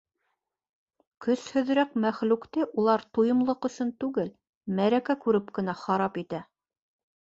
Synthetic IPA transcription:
kɵshɵ̆ðɾækmæχlʉkt̪ɘʔulˠɑɾt̪ujɤ̆mlˠɤqɵ̆sɵnt̪ʉɡɘl | mæɾækækʉɾɘpkɘ̆næχɑɾɑpit̪æ

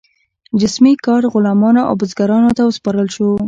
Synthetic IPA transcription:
d͡ʒɪsmikɑɾɣʊlɑmɑnoʔa̰wbʊzɡaɾɑnot̪awəspɑɾəlʃo

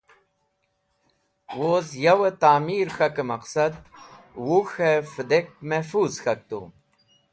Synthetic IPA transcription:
woːzjɐwət̪aːmiːɾxɐkemɐqsɐd̪̚ | wuxefəd̪ek̚mefuːzxɐk̚t̪ṵ

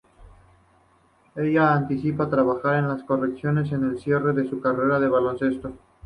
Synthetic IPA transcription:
e̞ʝaːnt̪isipat̪ɾaβaxaɾe̞nlasko̞re̞ksjo̞ne̞s̬e̞ne̞lsje̞re̞ðe̞sukare̞ɾaðe̞βalo̞nse̞st̪o̞

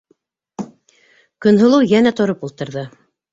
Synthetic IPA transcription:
kɵ̆nɦɤ̆lˠɤwjænæt̪ŏɾopulˠt̪ɤ̆ɾðɤ

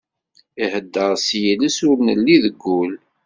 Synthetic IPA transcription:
ihəd̪ːəʁsjiləsʊɾnəlːiðəɡʷːul

